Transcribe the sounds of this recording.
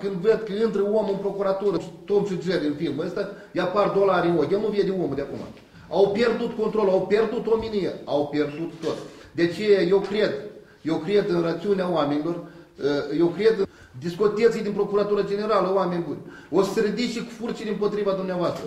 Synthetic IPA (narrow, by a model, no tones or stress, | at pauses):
kɨnd̪vəd̪kəɨnt̪ɾəwomɨnpɾo̞kuɾat̪uɾət̪omʃid͡ʒed̪ʲinfilməəst̪ajapard̪o̞laɾʲinoɡʲjanuvijed̪eomd̪eakuma̰ | awpje̞rd̪ut̪kont̪ɾo̞lawpʲe̞rd̪ut̪ominijeawpʲerd̪ut̪ːot̪d̪eat͡ʃe̞jaje̞wkɾe̞d̪ | jewkɾe̞d̪ɨnrat̪siuneaoamenilo̞r | je̞wkɾe̞d̪ɨ | d̪iskot̪et̪sʲijd̪ʲinpɾo̞kuɾat̪uɾəd͡ʒe̞ne̞ɾaləwamenʲbunʲ | ost̪ɾəd̪iʃiku̥furt͡ʃiɾʲimpo̞t̪ɾivad̪umneavoast̪ɾə